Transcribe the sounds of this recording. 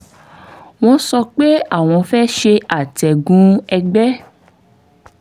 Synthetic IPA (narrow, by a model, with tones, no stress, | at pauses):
w̃ɔ̃˧sɔ˧k͡pe˦a˦˨w̃ɔ̃˧fɛ˦ʃe˧a˨tɛ˨ɡũ˦ɛ˧ɡ͡bɛ˦